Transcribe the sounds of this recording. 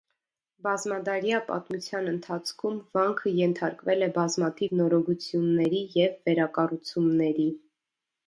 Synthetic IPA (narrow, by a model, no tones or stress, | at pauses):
bɑzmɑd̪ɑɾjɑpɑ̰t̪mut͡sʰjɑnənt̪ʰɑt͡sʰkʰumvɑŋkʰəjɛnt̪ʰɑɾkvɛlɛbɑzmɑt̪ʰivnɔɾɔɡut͡sʰjunːɛɾijɛvːɛɾɑkɑrut͡sʰumnɛɾi